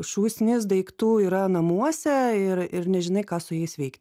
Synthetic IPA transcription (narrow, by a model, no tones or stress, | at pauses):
ʃuːsʲnʲɪsd̪ɐɪkt̪uːiːɾɐnɐmuɔsʲɛɪrɪrnʲɛʒʲɪnɐɪkɑːsʊjɛɪsʋʲɛɪktʲ